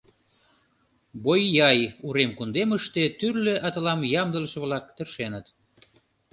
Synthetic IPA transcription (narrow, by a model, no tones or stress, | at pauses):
bojːɑjuɾemkund̪eməʃt̪et̪yrleʔɑt̪əlɑmjɑmd̪ə̆ləʃə̆βlɑk̚t̪ə̆rʃenət̪